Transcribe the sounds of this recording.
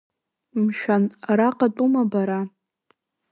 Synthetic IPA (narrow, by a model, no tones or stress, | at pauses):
mʃᶣanraqʼatʼumabaɾa